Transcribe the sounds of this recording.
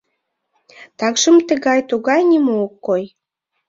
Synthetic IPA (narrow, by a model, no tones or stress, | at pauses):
t̪ɑkʒə̆mt̪ə̆ɣɑjt̪uɣɑjnʲimookːoj